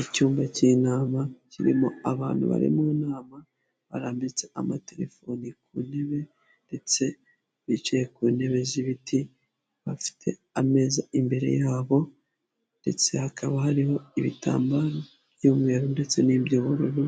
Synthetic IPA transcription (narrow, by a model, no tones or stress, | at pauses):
icuːmbacinaːmaciɾḭmo̞̰aβaːnhṵβa̰ɾḭmuːnaːma | βa̰ɾaːmbit͡se̞amate̞ɾe̞̰fo̞nikṵːne̞βe̞ | nde̞t͡se̞ | βit͡ʃejekuːne̞βe̞ziβitʰi | βafi̥tʰe̞̰ | ame̞ːzaimbe̞ɾe̞̰jaːβo̞ | nde̞t͡se̞hakʰaβahaɾiho̞iβitʰa̰ːmbaɾa | bjuːmŋe̞ːɾunde̞t͡se̞nibɟuːβuɾuɾu